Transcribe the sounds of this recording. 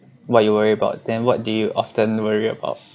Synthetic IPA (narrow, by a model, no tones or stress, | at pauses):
wɔjuwəɹiəbaʊt̚dɛ̃nwɔt̚dujuʔɔftə̃nwəɹiə̰ba̰ʊt̚